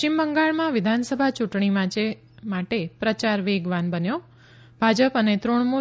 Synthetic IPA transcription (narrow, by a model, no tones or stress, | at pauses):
t͡ʃimbəŋɡaɭmãʋɪd̪ʱansəbʱat͡ʃuʈɳ̃imãt͡ʃe | maʈepɾət͡ʃaɾʋeɡʋanbənjo | bʱad͡ʒəpənet̪ɾoɳmu